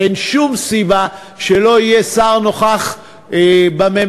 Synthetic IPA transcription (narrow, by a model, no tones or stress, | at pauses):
enʃumsiba | ʃelo̞ijesaʁnoχaχ | bame